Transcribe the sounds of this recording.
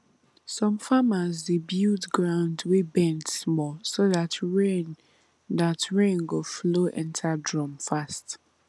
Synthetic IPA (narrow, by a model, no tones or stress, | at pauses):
sɔ̃mfamazdebjudɡɹãʊndwebɛ̃ntsmɔsoðatʰɹen | datɹẽnɡofloʔɛ̰̃ntʰadɹɔ̃mfast